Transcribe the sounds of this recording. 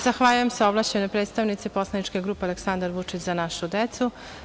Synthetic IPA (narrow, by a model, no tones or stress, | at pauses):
zaxʋaːʎujemseoblˠat͡ɕemnepɾeːd̪st̪aʋnit̪sipo̞slˠanit͡ʂkeɡɾuːpealeksand̪aɾʋut͡ʂit͡ɕzanaʃud̪et̪su